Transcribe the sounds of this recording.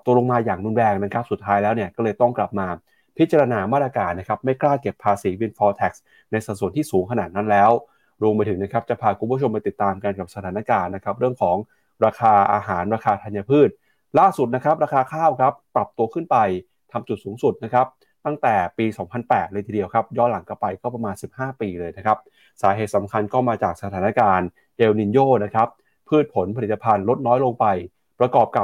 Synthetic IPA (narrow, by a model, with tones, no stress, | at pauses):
t̪u˧əlo˧ŋmaː˧jaː˨˩ŋɾu˧nɾɛː˧ŋna˦˥kʰa˦˥p̚su˨˩t̪ʰːaː˦˥jlɛː˦˥wni˥˩əkɔ˥˩lɤː˧jt̪ɔ˥˩ŋkla˨˩p̚maː˧ | pʰi˦˥t͡ɕa˧ɾa˧naː˧maː˥˩ɾa˧kaː˧nːa˦˥kʰa˦˥p̚ma˥˩jklaː˥˩ke˨˩pʰːaː˧siː˩˦wi˧nfɔː˧t̪ʰɛ˨˩k̚s | na˧jsa˨˩su˩˦ənt̪iː˥˩suː˩˦ŋkʰa˧naː˨˩t̪̚na˦˥nlɛː˦˥w | ɾu˧mpa˧j̪ʰɯ˩˦ŋna˦˥kʰa˦˥p̚t͡ɕa˨˩pʰaː˧kʰu˧mpʰu˥ə˩o˧mpa˧jt̪i˨˩t̪ːaː˧mka˧nka˨˩p̚sa˧t̪ʰaː˩˦na˧˥˩kaː˧nːa˦˥kʰa˦˥p̚ɾɯ˥˩əŋkʰɔː˩˦ŋ | ɾaː˧kʰaː˧ʔa̰ː˧ɦaː˩˦nɾaː˧kʰaː˧t̪ʰa˧nja˧pʰɯː˥˩t̪̚ | laː˥˩su˨˩t̪̚na˦˥kʰɾa˦˥p̚ɾaː˧kʰaː˧kʰaː˥˩wkʰɾa˦˥ppɾa˨˩p̚t̪u˧əkʰɯ˥˩npa˧j | t̪ʰa˧mt͡ɕu˨˩t̪̚suː˩˦ŋsu˨˩t̪̚na˦˥kʰa˦˥p̚ | t̪a˥˩ŋt̪ɛː˨˩piː˧sɔː˩˦ŋpʰa˧npɛː˨˩t̪̚lɤː˧t̪ʰiː˧di˧əwkʰa˦˥p̚jɔː˥˩la˩˦ŋkɔ˥˩pa˧jkɔː˥˩pɾa˧maː˧nsi˨˩p̚haː˥˩piː˧lɤː˧jna˦˥kʰa˦˥p̚ | saː˩˦ɦeː˨˩t̪sa˩˦mkʰa˧nkɔː˥˩maː˧t͡ɕaː˨˩k̚sa˧t̪ʰaː˩˦na˦˥kaː˧n | ʔeː˧wni˧njoː˥˩na˦˥kʰɾa˦˥p̚ | pʰɯː˥˩t̪̚pʰo˩˦npʰa˧li˨˩t̪ːa˧pʰa˧nlo˦˥t̪̚nɔː˦˥jlo˧ŋpa˧j | pɾa˧kɔː˨˩p̚ka˨˩